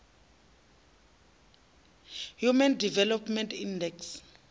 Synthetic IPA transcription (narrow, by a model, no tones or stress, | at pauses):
hjumɛndivɛlɔpmɛntʰindɛks